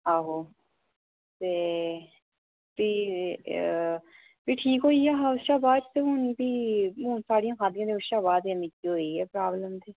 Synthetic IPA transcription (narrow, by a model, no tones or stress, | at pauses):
aːɦoː | t̪eː | biː | biːʈʰiːkɦoːiːɛːɦaːʃaːbaːd͡ʒt̪eːɦʊnbiːmuːnsaːɽijãːkʰaːd̪ijãːd̪eəʃaːbaːd̪ə̃nikiɦoːiːɛːpɾaːbləmt̪iː